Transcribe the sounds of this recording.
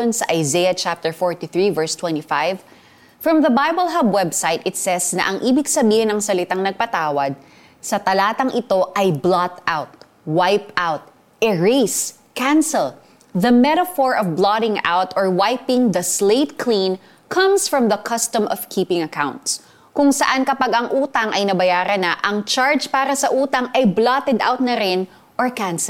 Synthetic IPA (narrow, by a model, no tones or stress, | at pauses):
onsɐʔɐjzejɐt͡ʃap̚t̪ɛɹfɔɹt̪iθɹivɛɹst̪wɛ̃nt̪ifajv | fɹɐ̃mðɐbajbəlˠɦabwɛbsajt̪ɪt̪sɛsnɐ̰ʔɐŋʔiːbɪɡsɐbiːhɪnɐŋsɐlɪt̪aŋnɐɡ̚pɐt̪aːwɐd̪̚ | sɐt̪ɐlaːt̪ɐŋʔɪt̪o̞ʔɐjblat̪awt̪̚ | wajpawt̪̚ | ʔɛɹes | kãnsɛl | ðɐmɛɾɐfɔɹʔɔvblaɾɪ̃ŋa̰wt̪ɔɹwajpɪŋðɐsleɪt̪̚kʰlĩn | kʰɐ̃msfɹɐmðɐkʰɐst̪ɐmʔɔv̥kʰiːpɪ̃ŋɐkaw̃nt̪s | kʊŋsɐʔankɐpaɡɐŋʔuːt̪ɐŋʔɐjnɐbɐjaːɾɐnɐʔɐŋt͡ʃaɹd͡ʒpaːɾɐsɐʔuːt̪ɐŋʔɐjblat̪ɛd̪ʔa̰wt̪̚nɐɾɪn | ʔɔɹkãns